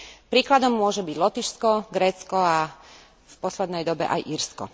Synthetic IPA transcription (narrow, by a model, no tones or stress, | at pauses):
pɾiːklad̪ɔmːʊɔʒɛbiɟlɔt̪iʃskɔɡɾɛːt͡skɔa | fpɔslɛd̪nɛjd̪ɔbɛ̰ʔa̰jʔiɾskɔ̰